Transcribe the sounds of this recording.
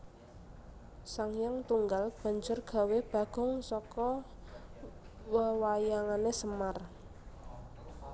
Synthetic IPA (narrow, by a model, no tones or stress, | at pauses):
saŋjaŋt̪uŋɡalb̥a̤ɲd͡ʒʊrɡ̥a̤web̥a̤ɡ̥ʊ̤ŋsɔkɔ | wəwajaŋanesəmar